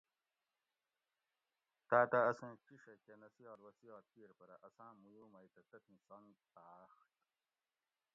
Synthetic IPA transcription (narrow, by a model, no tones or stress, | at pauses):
t̪aːt̪ɐɐsẽːt͡ɕiʂɐkenɐsiɔːɾwɐt͡siɔːɾt̪iɾpɐɾɐʔɐsãːmujuːmɐjt̪ɐt̪ɐt̪ʰĩsontaːxt̪